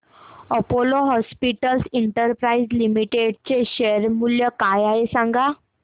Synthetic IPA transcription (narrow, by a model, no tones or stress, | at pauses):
əpoloɦɔspiʈəlsiɳʈəɾpɾaid͡zlimiʈeɖt͡ɕeɕeɾmuljəkajaɦesãŋɡa